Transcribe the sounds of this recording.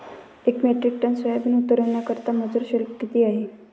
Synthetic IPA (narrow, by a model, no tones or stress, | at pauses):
ekmeʈɾik̚ʈənsʋajab̪iːnut̪əɾənakəɾt̪aməd͡zuɾɕelkit̪iːaɦe